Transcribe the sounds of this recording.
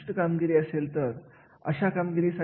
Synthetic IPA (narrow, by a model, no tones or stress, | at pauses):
ʈəkamɡiɾiːəselt̪əɾ | ə̰ɕakamɡiɾiːsa